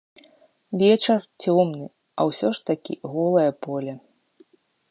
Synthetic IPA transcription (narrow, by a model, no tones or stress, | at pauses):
vʲɛt͡ʂɐrt͡sʲɔmnɨ | ɐ̰wsʲɔʂt̪akʲḭɣɔlˠɐjɐpɔlʲɐ